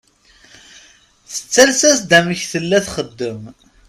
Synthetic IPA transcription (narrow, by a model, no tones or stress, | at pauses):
θə̥t͡sːælsæsd̪æməçθəlːæθχəd̪ːəm